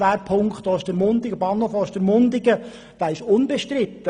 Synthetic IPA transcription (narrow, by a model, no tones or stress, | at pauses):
æːɾpʰʊŋkχtd̥oːɪʃd̥əɾmʊnd̪ɪɡəbɑnhofoːɪʃd̥əɾmʊnd̪ɪɡə | d̥æːɪʃʊnbɛʃtɾɪt̪ːə